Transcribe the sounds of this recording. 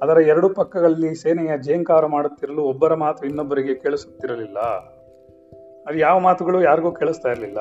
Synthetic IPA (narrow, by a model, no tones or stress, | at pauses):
ɐd̪ɐɾɐɛɾɐɽupɐkːɐɡɐɭɐlːiseːnɐjɐd͡ʒejɐŋkaːɾɐmaːɽut̪ːiɾɐluːɔbːɐɾɐmaːt̪uinːobːɐɾiɡe̞keːɭisu̥t̪ːiɾɐlilːɐ̰ | ɐd̪ujaːʋɐmaːt̪uɡɐɭuːjaːɾɡuːkeːɭust̪aːjiɾɐlilːɐ̰